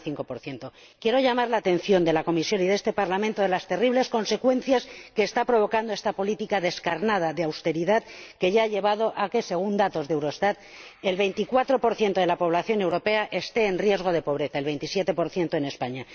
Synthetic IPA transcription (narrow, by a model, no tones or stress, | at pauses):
θiŋko̞po̞ɾθje̞nt̪o̞ | kje̞ɾo̞ʝamaɾlaːt̪e̞nθjo̞nd̪e̞lako̞misjo̞niðest̪e̞paɾlamẽnt̪o̞ð̞elast̪e̞riβle̞sko̞nse̞kwe̞nθjaske̞ːst̪apɾo̞β̞o̞kand̪o̞est̪apo̞lit̪ikaðe̞skaɾnaðaðeawst̪e̞ɾiðaðke̞ʝaaʎe̞β̞að̞o̞ʔake̞se̞ɣund̪at̪o̞zðewɾoest̪at̪̚ | e̞lβe̞jnt̪ikwat̪ɾo̞po̞ɾθje̞nt̪oe̞lapo̞β̞laθjo̞ne̞wɾo̞pe̞aʔe̞st̪e̞ːnrje̞zɣ̞o̞ð̞e̞po̞β̞ɾe̞θae̞lβejnt̪isje̞t̪e̞po̞ɾθje̞nt̪o̞ene̞spaɲa